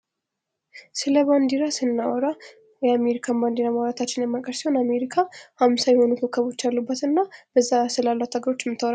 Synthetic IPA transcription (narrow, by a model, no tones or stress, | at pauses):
sɨləband̪iɾasɨnːawɔɾa | wɔjameɾikʰamband̪iɾamawɾat̪ʰat͡ʃːɪnjɛmːakʼəɾsiho̞name̞ɾikʰahamsajɛho̞nukʰəkʰːəβo̞t͡ʃːalːubːət̪ɨnːab̥əzːasɨlalːat̪ʰaɡəɾo̞t͡ʃːmːɨt̪ʰːəwɾa